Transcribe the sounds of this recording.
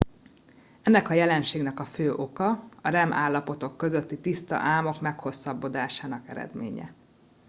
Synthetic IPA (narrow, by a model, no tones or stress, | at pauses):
ɛnːɛkɒjɛlɛnʃeːɡnɛkɒføːʔo̞kɒɒɾɛmʔa̰ːlːɒpo̞t̪o̞kːø̞zø̞t̪ːit̪ist̪ɒ̰ʔaːmo̞kmɛkho̞sːɒbːo̞d̪aːʃaːnɒkɛ̰ɾɛ̰d̪mḛːɲɛ̰